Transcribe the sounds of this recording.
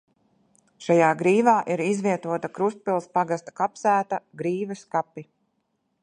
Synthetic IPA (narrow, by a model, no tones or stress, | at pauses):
ʃajaːɡɾiːvaːʔiɾizvʲiɛt̪uɔt̪akɾust̪̚pilˠspaɡast̪ḁkapsæːt̪aɡɾiːvɐskapi